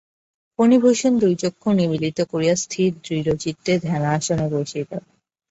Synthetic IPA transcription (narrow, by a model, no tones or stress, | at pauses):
ponibʱoʃond̪ujd͡ʑokʰːonibilit̪okoɾijast̪ʰid̪ɾiɾod͡ʑit̪ːed̪ʱɛnaaʃoneɾoʃik̪a